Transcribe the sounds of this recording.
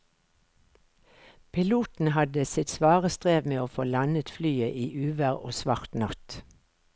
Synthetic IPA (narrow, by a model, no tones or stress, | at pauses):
pʰɪluːt̪n̩hɑd̪əsɪt̪sʋɑːʁəst̪ʁeːʋmeːoːfoːlɑnət̪flyːəʔiːʔʉːʋəʁo̰ːsʋɑʁt̪nɑt̪